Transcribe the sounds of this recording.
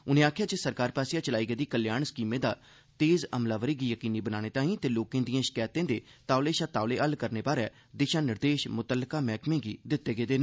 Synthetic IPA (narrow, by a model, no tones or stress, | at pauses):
ʊnẽːaːkʰjaːt͡ʃəsəɾkaːɾpaːsijaːt͡ʃəlaːiːɡeːd̪iːkəljaːɳsə̥kiːmẽːd̪aː | t̪eːzəmlaːʋəɾiːɡiːjəkiːniːbənaːɽ̃eːt̪ãːĩːt̪eːloːkẽːd̪ijãːʃə̥kɛːt̪ẽːd̪eːt̪aːʋleːʃaːt̪aːʋleːʔəlkəɾneːbaːɾɛː | d̪ɪʃãːnɪɾd̪eːʃmʊt̪əlːkaːmɛːkmẽːɡiːd̪ɪt̪ːeːɡeːd̪eːn